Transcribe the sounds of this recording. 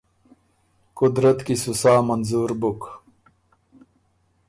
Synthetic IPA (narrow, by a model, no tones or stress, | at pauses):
kud̪ɾət̪kisusaːmɐnzuːɾbuk